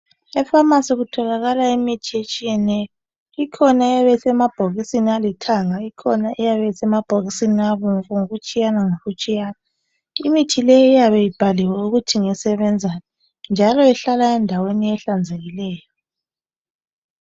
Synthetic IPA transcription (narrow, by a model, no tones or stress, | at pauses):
ɛfamasiɣutʰɔlaɣalaimitʰiet͡ʃʼijɛnɛjɔ | ikʰɔnaɛjaβɛsɛmab̥ʱoɣisinialitʰaŋaikʰɔnaʔɛjaβɛsɛmab̥ʱoɣisiniaβɔŋβɔŋoɣut͡ʃʼijanaŋoɣut͡ʃʼijaːna | imitʰilɛjɔijaβɛjib̥ʱaliwɛuɣutʰiŋɛsɛβɛnd͡zʱan | nd͡ʒʱalɔɛɬalaɛndʱaweniɛɬand͡zʱeɣilɛːjɔ